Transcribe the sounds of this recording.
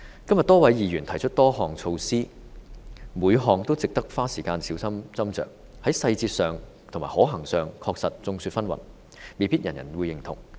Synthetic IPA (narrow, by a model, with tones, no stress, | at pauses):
kɐ˥mjɐ˨t̪̚ɔː˥wɐ˨˥jjiː˨ɥyː˨˩nt̪ʰɐ˨˩jt͡ʃʰɵ˥t̚t̪ɔː˥hɔː˨˩ŋt͡sʰo˧wsiː˥ | muː˨˧jɦɔː˨ŋt̪o˥wt͡sɪ˨k̚t̪ɐ˥k̚faː˥siː˨˩kaː˧nsiː˨˥wsɐ˥mt͡sɐ˥mt͡sœ̰ː˨k̚ | hɐ˨˥jsɐ˧jt͡siː˧t̚sœː˨˧ŋ | t̪ʰʊ˨˩ŋma̰ː˨˩hɔː˨˥ɦɐ˨˩ŋsœː˨˧ŋkʰɔː˧k̚sɐ˨t̚t͡sʊ˧ŋsyː˧t̚fɐ˥nwɐ̰˨˩n | me˨˧piː˥t̚jɐ˨˩njɐ˨˩nwuː˨˧jɪ˨˩ŋt̪ʰʊ˨˩ŋ